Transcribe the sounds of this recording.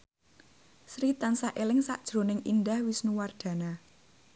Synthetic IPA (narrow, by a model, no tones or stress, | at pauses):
sɾit̪ansaʔelɪŋsa̰ʔd̥ʒ̥ɾo̤nɪŋʔindahwisnuward̪̥ä̤na